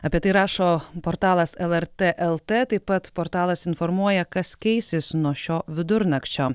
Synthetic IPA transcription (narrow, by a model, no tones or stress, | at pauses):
ɐpʲiɛt̪ɐɪɾɑːʃoːpoːɾt̪ɑːlˠɐsɛlˠɛɾt̪ʲeːʔɛlˠt̪ʲeːt̪ɐɪppɐt̪poːɾt̪ɑːlˠɐsɪnfɔɾmuɔjɛkɐskʲɛɪsʲɪsnuɔʃʲoːʋʲɪd̪ʊɾnɐkʲt͡ʃʲoː